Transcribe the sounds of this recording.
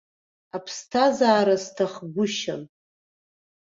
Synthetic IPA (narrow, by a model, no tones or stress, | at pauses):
apʰstʰazaːɾastʰaχɡʷʊʃan